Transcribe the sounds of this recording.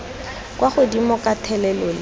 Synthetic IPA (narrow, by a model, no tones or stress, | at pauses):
kʼwaχʊdimɔkʼatʰɛlɛlɔlɪ